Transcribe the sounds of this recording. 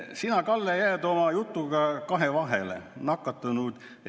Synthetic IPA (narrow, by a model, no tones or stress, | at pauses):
sinɑkɑlːejæːd̪o̞mɑjut̪ːuɡ̥ɑkɑɦevɑɦḛlḛnɑkːˑɑt̪ːˑunud̪̥